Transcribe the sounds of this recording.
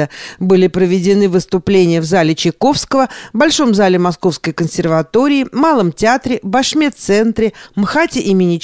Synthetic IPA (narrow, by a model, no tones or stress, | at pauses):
əbɨlʲɪpɾəvʲɪdʲɪnɨvɨst̪ʊplʲenʲɪjəvzalʲɪt͡ɕɪko̞fskəvəbɐlʲʂo̞mzalʲɪmɐsko̞fskəjkənsʲɪrvɐt̪o̞ɾʲɪːmalˠəmtʲɪat̪ɾʲɪbɐʂmʲe̞t̪sɛnt̪ɾʲɪmxatʲɪʔimʲɪnʲɪ